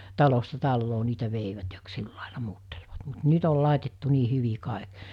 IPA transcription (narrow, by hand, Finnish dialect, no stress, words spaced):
tɑlostɑ tɑlːoː niːtæ ʋeiʋæt jɑ k silːɑˑelɑ muːtːelʋɑt mut nyt ol lɑˑetetːu niː hyʋi kɑˑek